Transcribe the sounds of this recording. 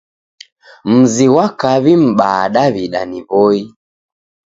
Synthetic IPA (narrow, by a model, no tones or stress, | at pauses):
m̩ziwakaβim̩ɓaːɗaβiɗaniβɔi